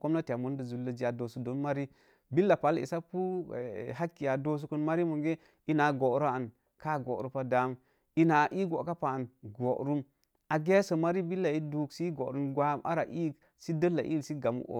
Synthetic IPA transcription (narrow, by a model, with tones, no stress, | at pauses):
ko˦m˦na˦ta˨mu˦n˦də˨zu˨lːə˦d͡ʒi˦a˨do˨su˨do˨˦nma˦ɾi˦ | bi˦lːa˨pa˨˦lḭ˨sa˦pu˦˨ɦa˦kːi˨ja˨do˦s̬u˦kə˦nma˦ɾi˦mu˨ɡe˦ | i˦na˨ɡo˨˦ɾa˦a˨n | ka˦˨ɡo̰˨ʔɾu˦pa˦da˨˦m | i˦na˨ʔi˦ɡo˨ka˦pa˨a˨nɡo˨ʔɾu˦m | a˨ɡe˦sə˨ma˦ɾi˦bi˦lːa˨i˦du˦ksi˦ɡo˨ɾu˦nɡʷa˦˨mʔa̰˦ɾa̰˨ʔi˦k | si˦də˦lːa˨ʔḭ˦˨si˦ɡa˨mṵ˦ʔo̰˨